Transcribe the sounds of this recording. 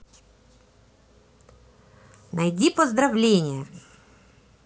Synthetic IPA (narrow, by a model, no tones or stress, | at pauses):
nɐjdʲipɔzd̪ɾɐvlʲenʲɪjɛ